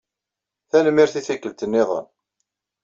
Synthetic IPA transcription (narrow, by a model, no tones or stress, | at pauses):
θænəmːɪɾθiθikːəlt̪ənːɪðˤə̰n